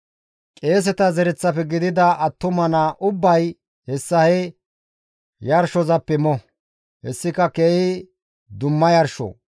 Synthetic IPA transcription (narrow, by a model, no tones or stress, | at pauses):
kʼeːs̬ɛt̪ɐzɛɾɛt͡sːɐpɛɡɪd̪ɪd̪ɐʔɐt̪ːʊmɐnɐʔʊbːɐj | hɛsːɐhɛ | jɐɾʃɔzɐpːɛmɔ | hɛsːɪkɐkeːhɪ | d̪ʊmːɐjɐɾʃɔ̰